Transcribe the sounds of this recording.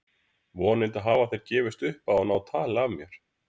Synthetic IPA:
vɔnɪlt̪aɦaːvaθejɾ̥cɛːvɪst̪ʏhpaɔnaːwt̪ʰaːlavmjɛɾ̥

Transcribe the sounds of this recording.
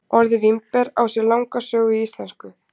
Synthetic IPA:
ɔɾðɪvimpɛɾa̰wsjɛɾlawŋkasœːɣʏiist̪lɛnskʏ

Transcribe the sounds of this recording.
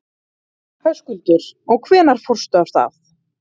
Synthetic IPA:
hʰœskʏlt̪ʏɾɔɣkʰvɛːnaɾ̥fɔr̥st̪œasθa̰θ

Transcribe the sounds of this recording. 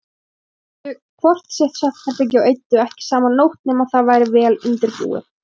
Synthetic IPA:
ʏ | kʰvɔr̥t̪sɛht̪saht̪̚kʰap̪ɪc̬ɪawʔejt̪ːʏɛhcɪ̥saːmannːowht̪nɪmawθaðvaːjɾɪvɛːlɪnt̪ɪɾpṵːɪ̰̥

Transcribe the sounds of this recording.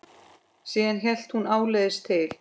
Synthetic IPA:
siːðançɛl̥t̪hunaːwleːðɪst̪ʰɪl̥

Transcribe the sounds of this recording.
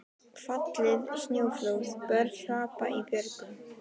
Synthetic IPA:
fat̪lɪðsnjowflowsbœɾaːpa̰ʔipjʏɾkʏn

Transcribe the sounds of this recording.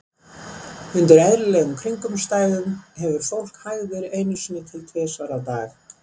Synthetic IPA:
ʏnt̪ʏɾaðɾɪlɛːɣʏmkʰɾiŋkʏmst̪aːjðʏmhɛvʏɾfowl̥khajvʏvɛːɾɪeːjnʏsʏnɪt̪ʰɪlt̪ʰvɛːsvaːɾawt̪aːx

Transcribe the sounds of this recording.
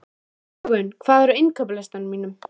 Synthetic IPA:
ɣʏnkʰv̥aːðɛɾɪnkʰœp̬lɛst̪anʏmiːnʏm

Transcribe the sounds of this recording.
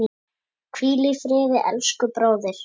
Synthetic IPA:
kʰviːlifɾɪːðɪʔɛ̰lskʏpɾoːwðɪɾ̥

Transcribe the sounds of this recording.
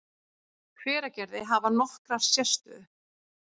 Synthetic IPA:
kʰvɛːɾacɛɾðɪɦavanɔhkɾaɾ̥sjɛst̪ʏ̰

